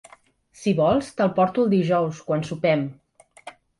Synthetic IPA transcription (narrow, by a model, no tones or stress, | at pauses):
siβɔlˠst̪əlˠpɔɾt̪uəlˠd̪iʒɔwskwansupɛm